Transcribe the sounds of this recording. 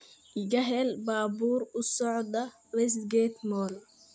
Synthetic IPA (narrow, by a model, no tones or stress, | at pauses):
ʔɪɣɐɦɛlbaːbuːrʊsɔʕd̪ɐ | wɛs̬t̪ɡɛt̪mɔːl